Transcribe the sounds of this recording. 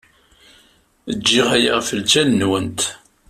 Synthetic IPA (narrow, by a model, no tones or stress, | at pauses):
əd͡ʒːiʁæja̰ʁfəlt͡ʃænnwənt̪